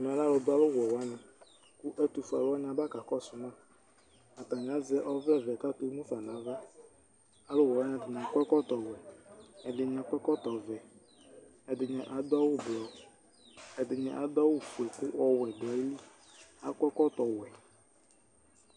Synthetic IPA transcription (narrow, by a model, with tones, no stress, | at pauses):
m˨a˨la˦lɔ˨dʊ˦a˦lʊ˦wɛ˨wa˨˦ɲã˨ | kʊ˦ʔɛ˦t̪u˨fu˨a̰˨lʊ˦a˦ɲã˨ba˦ka˨kɔ˦˨sʊ˨mã˦˨ | a˨t̪a˨ɲ˨a˦zɛ˦ʔɔ˦vɛ˦˨vɛ˨ka˦t̪o˨˦mũ˦fa˨n˨ã˨˦va˦ | a˨lʊ˦wɔ˨a˦ɲã˨dɪ˨ɲ˨ã˨k͡pɛ˦kɔ˦t̪ɔ˨wɛ˨ɛ˨dɪ˨ɲ˨a˨k͡pɛ˦kɔ˦t̪ɔ˨vɛ˨ | ɛ˨dɪ˨ɲɛ̃˨ʔa˨d̪a˦wʊ˦blɔ˨ | ɛ˨dɪ˨ɲɛ̰˨ʔa˨d̪ɔ˦wʊ˦fu˨ɛ˨kʊ˦ɔ˦wɛ˨da˨˦i˦li˦ | a̰˨kʷɛ˦kɔ˦t̪ɔ˨wɛ˨